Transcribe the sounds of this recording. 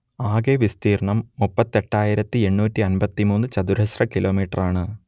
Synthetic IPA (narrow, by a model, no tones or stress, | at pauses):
aːɡeʋist̪iːrɳɐmːupːɐt̪ːe̞ʈːaːjiɾɐt̪ːie̞ɳːuːtːiɐnbɐt̪ːimuːnːɨt͡ɕɐd̪uɾɐɕrɐkilo̞ːmiːʈːɐraːɳɨ